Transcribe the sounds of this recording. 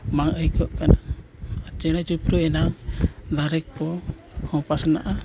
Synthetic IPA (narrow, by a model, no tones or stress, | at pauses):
maŋʔəjkɔʔkanaː | ɾt͡ʃɛɽ̃at͡ʃupɾuɛnaŋd̪aɾɛk̚pɔ | hɔ̃pasna̰ʔa